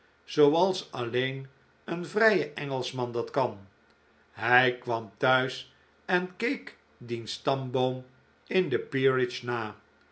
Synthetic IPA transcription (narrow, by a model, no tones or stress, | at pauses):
z̥owɑlˠsɑlejn | ənvrɛjəʔɛŋəlˠsmɑndɑtkɑn | ɦɛjkʋɑmtœɥs | ɛnkejk | dinstɑmbowm | ɪndəpiɹɪt͡ʃnaː